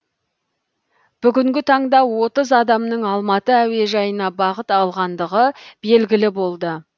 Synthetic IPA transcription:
b̥ʏɡʲɪŋɡʲɪt̪ʰɑɴd̪ɑwo̞t̪əzɑd̪ɑmnəɴɑlˠmɑt̪əæwe̞ʒɑjənɑbɑʁət̪ɑlˠʁɑnd̪əʁəb̥e̞lɡʲɪlɪbo̞lˠd̪ə

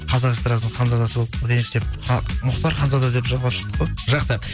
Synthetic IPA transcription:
qʰɑzɑʁest̪ɾɑsnəɴq̪ʰɑnzɑd̪ɑsəbo̞lˠəp̚əd̪enʃed̪eɑmʊqt̪ɑɾqʰɑnzɑd̪ɑd̪e̞pʒɑʁlˠɑpʃə̥qt̪ə̥qːojʒɑqsə

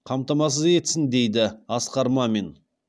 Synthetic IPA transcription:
qʰɑmt̪ɑmɑs̬əze̞t̪sɪnd̪e̞jd̪ɪɑsqɑɾmɑme̞n

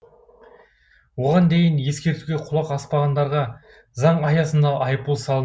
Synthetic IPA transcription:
wo̞ʁɑnd̪e̞jənje̞skʲe̞ɾt̪uwɡʲe̞qʰʊlˠɑqɑspɑʁɑnd̪ɑɾʁɑ | zɑɴɑjɑsənd̪ɑʔɑjpulˠsɑlˠə

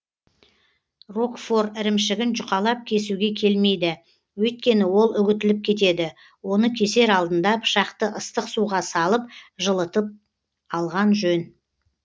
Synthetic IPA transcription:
ro̞kfo̞rɪɾɪmʃɪɡʲɪnʒʊqɑlˠɑp̚kʲʰe̞suɡʲe̞kʲʰe̞lme̞jd̪ɪ | wɵjt̪̚kʲe̞nɪwo̞lˠʏɡʲɪt̪ɪlɪp̚kʲʰe̞t̪e̞d̪ɪ | wo̞nəkʲʰe̞se̞ɾɑlˠd̪ənd̪ɑpʰʃɑqt̪əʔəst̪əqsuʁɑsɑlˠəp̚ʒəlˠət̪əp̚ | ɑlˠʁɑnʒɵn

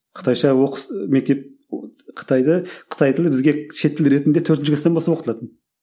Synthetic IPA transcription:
qʰə̥t̪ɑjʃɑwoqsme̞k̚t̪e̞p̚ | qʰə̥t̪ɑjd̪əqʰə̥t̪ʰɑjt̪ʰɪlbɪzɡʲeʃe̞t̪ʰːlɾe̞t̪ɪnd̪e̞t̪ʰɵɾt̪nt͡ʃɪkʰɪst̪ebosɑpoqət̪lˠɑt̪ən

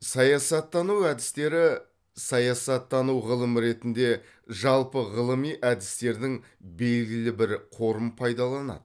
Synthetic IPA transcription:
sɑjɑsɑt̪ːɑnuwæd̪ɪst̪e̞ɾɪ | sɑjɑsɑt̪ːɑnuʁəlˠəməɾe̞t̪ɪnd̪e̞ | ʒɑlˠpəʁəlˠəmijʔæd̪ɪst̪e̞ɾd̪ɪŋ | be̞lɡʲɪlɪbɪɾqʰo̞ɾəmpʰɑjd̪ɑlˠɑnɑ̰d̪̥ə

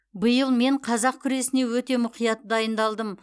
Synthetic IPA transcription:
bəjəlˠme̞ɴqʰɑzɑq̚kʲʰʏɾe̞sɪne̞wɵt̪e̞mʊqijɑt̪əd̪ɑjənd̪ɑlˠd̪əm

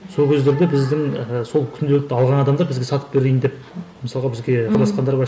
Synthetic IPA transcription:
so̞lˠkʲʰezd̪e̞ɾd̪e̞bɪzd̪ɪŋso̞lˠkʲʰʏnd̪elɪk̚t̪ɑlˠʁɑnɑd̪ɑmd̪ɑɾbɪzɡʲe̞sɑt̪ə̥p̚be̞ɾejɪnd̪ep̚ | məsɑlˠʁɑbɪzɡʲe̞ɑlˠɑsqɑnd̪ɑɾbɑ

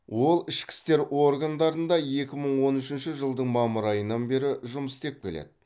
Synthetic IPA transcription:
wo̞lˠɪʃkʲɪ̥st̪e̞ɾo̞rɡɑnd̪ɑɾənd̪ɑje̞kʲɪməɴwo̞nʏʃɪnʃɪʒəlˠd̪əɴmɑməɾɑjənːɑnbe̞ɾɪʒʊməst̪e̞p̚kʲʰe̞lḛd̪ɪ̥

